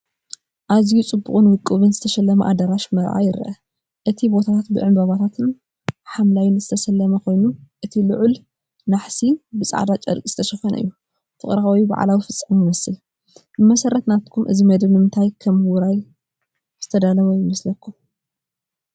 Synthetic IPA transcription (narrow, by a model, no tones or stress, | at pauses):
ʔazijut͡sʼɨbːuχʼɨnwɨkʼːɨβɨnzɨt̪ʰɐʃɐlːɐmɐʔa̰d̪ɐɾaʃmɐɾʔa̰jɪɾʔɐ | ʔɨt̪ʰibo̞t̪ʰat̪ʰat̪̚bɨʕɨmbɐβat̪ʰat̪ʰɨn | ħamlajɪnzɨt̪ʰɐʃɐlːɐmɐkʰojnuʔɨt̪ʰilʊ̰ʕul | naħsinbɨt͡sʼa̰ʕd̪at͡ʃʼɐ̰ɾkʼz̥ɨ̥t̪ʰɐʃɐfɐn̰ʔɨ̰jːu | fɨχʼɾawiba̰ʕa̰lawifɨt͡sʼːɐmjɨmɐsɨl | bɨmɐsɐɾɐt̪nat̪kʰumʔɨ̰zimɐd̪ɐβnɨmɨnt̪ʰajkʰɐmɨwɾaj | z̥ɨt̪ʰɐd̪alɐβwjɪmɐslɐkʰːum